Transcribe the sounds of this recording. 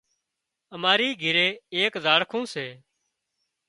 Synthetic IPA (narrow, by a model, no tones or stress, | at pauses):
əmaːɾiːɡʱɪɾeːeːkzaːɽkʰũːseː